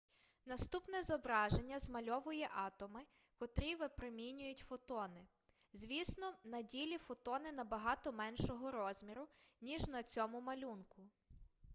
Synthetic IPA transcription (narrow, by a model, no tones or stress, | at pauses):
nɐst̪upnɛzɔbɾɑʒenʲːɐzmɐlʲɔʋʊjɛʔɑt̪ɔmɪ | kɔt̪ɾʲiʋɪpɾemʲinʲʊjʊtʲfɔt̪ɔnɪ | zʲʋʲisnɔnɐdʲilʲifɔt̪ɔnɪnɐbɐɦɑt̪ɔmɛnʃɔɦɔɾɔzʲmʲiɾʊnʲiʒnɐt͡sʲɔmʊmɐlʲunkʊ